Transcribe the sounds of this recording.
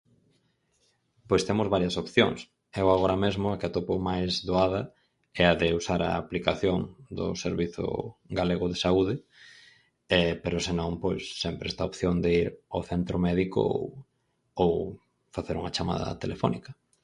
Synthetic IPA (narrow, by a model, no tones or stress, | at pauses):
pojst̪emʊzβaɾjɐsopθjo̰ŋs | ɛwaɣoɾɐmezmʊakɪat̪opomajzðoaðɐ | ɛɐðɪusaɾɐ̰ːplikaθjoŋd̪ʊ̰seɾβiθʊ̰ɡaleɣʊðesauðɪ | ɛpeɾʊsenõŋpojsːɛmpɾɛst̪aopθjoŋd̪eiɾawθent̪ɾʊmɛðikʊ̰o̰w | ow | faθeɾuŋɐt͡ʃama̰ðɐ̰t̪elefɔ̰nikɐ